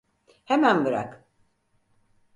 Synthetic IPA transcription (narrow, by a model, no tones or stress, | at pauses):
hemænbɯɾa̰k